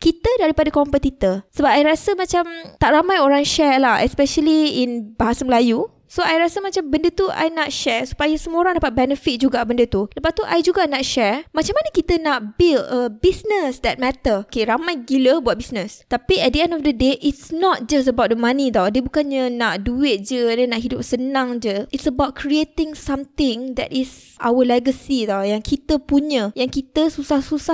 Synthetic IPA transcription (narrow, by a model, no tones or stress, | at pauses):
kit̪ədaɾipadəkɔmpət̪it̪əsəbap̚ajɾasəmãt͡ʃamt̪aʔɾamãjoɾaŋʃɛɹlahɛ̰spɛʃəliinbaɦasaməlaju | soajɾasəmãt͡ʃambəndət̪ua̰jnaʔʃɛɹsu̥pajasəmuoɾaŋdapat̪̚bɛnəfit̪̚d͡ʒuɡabəndət̪uləpat̪uʔajd͡ʒuɡanaʔʃɛɹmat͡ʃamanəkit̪ənaʔbiləbisnəsdɛt̪̚mɛt̪əokeɾamãjɡiləbuat̪̚bisnə̃st̪apiɛt̚dəɛ̃ndɔfdədeʔitsnɔt̪̚d͡ʒastəbawt̚dəmãnĩd̪ɔwdəbukanɲənaʔduɪt̪̚d͡ʒədənãʔɦidʊp̚sənãŋd͡ʒəʔitsəbawt̚kɾiet̪ɪ̃ŋsãmt̪ɪ̃ŋd̪ɛ̰tis | ʔa̰wəlɛɡəsid̪ɔjaŋkʰit̪əpuɲə̃jaŋkit̪əsusahsusah